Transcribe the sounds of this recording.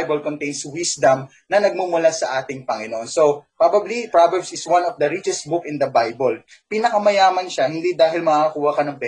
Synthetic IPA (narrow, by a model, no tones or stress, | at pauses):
jbɐlkont̪ejnswɪsd̪ɐm | nɐnɐɡ̚mumʊlasɐʔaːt̪ɪŋpɐŋɪnoʔonsopɹabɐblipɹavɛɹbsɪswɐ̃nɔfd̪ɐɹit͡ʃɛst̪̚bʊkɪ̃nd̪ɐbajbol | pinɐkɐmɐjaːmɐnʃahɪnd̪id̪aːɦɪlmɐaɐkuːhɐkɐnɐŋpɛ